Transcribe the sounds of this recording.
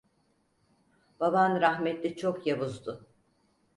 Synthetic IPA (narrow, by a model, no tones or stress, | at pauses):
b̥abanɾaxmɛt̪lʲit͡ʃʰokjaβuzd̪ʊ